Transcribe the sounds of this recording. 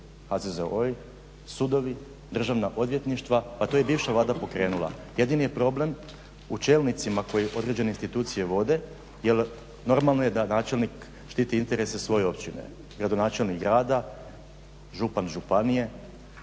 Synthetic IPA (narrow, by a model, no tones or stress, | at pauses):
hazezeoj | sud̪o̞ʋi | d̪r̩ʒaʋnaʔo̞d̪ʋje̞t̪niʃt̪ʋapat̪ojebiːʋʃaʋlaːd̪apo̞kɾe̞ːnulˠa̰je̞d̪inije̞pɾo̞ble̞m | ut͡ʃe̞ːlnit̪simako̞jeʔo̞d̪ɾe̞d͡ʑene̞inst̪it̪uːt̪sije̞ʋo̞d̪e̞ | jel | no̞ɾmalˠnojed̪anaːt͡ʃelˠnik | ʃt̪it̪iint̪e̞ɾesesʋo̞je̞o̞pt͡ɕinḛ | ɡɾad̪o̞naːt͡ʃe̞lnikɡɾaːd̪a | ʒupanʒupanije̞